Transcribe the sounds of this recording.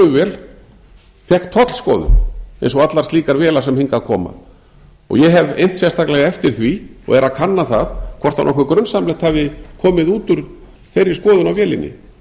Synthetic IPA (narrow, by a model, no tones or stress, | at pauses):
ʏvɛːl | θjɛhkt̪ʰːɔt̪l̥skɔ̰ːðʏ̰ḛjnsɔat̪larst̪iːkaɾvɛːlasɛmhiŋkakʰɔ̰ːma̰ | ɔ̰ɣjɛɦɛvejn̥t̪sjɛst̪ʰaklɛɣaɛft̪ɪɾ̥θviɔ̰ɣɛɾʔaðkʰanːaθaðkʰɔr̥t̪anɔhkvʏkɾœnsamlɛht̪havɪkʰɔːmɪðuːt̪ʏɾ | θejɾɪskɔːðʏnawvjɛːlɪ̰nːɪ̰